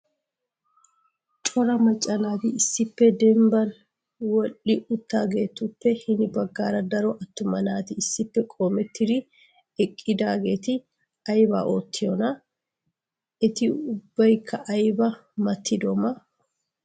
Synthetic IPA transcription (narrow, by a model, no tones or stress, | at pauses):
t͡ʃʼɔɾɐmɐt͡ʃʼːɐnaːt̪ɪɪsːɪpːɛd̪ɛmbɐn | wɔlːɪʔʊt̪ːaːɡe̞ːt̪ːʊpːɛhɪnɪbɐɡːaːɾɐd̪ɐɾɔʔɐt̪ːʊmɐnaːt̪ɪɪsːɪpːɛkʼoːmɛt̪ːɪd̪ɪ | ɛkʼːɪd̪aːɡe̞ːt̪ɪ | ɐjba̰ːʔoːt̪ːɪjɔnɐ | ɛt̪ɪʊbːɐjkʰːɐʔɐjbɐmɐt̪ʰːɪd̪oːmɐ